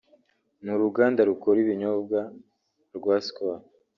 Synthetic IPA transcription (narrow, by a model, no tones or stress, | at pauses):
nuɾuɡaːndaɾukoɾiβiɲobɡa | ɾɡwaːskoa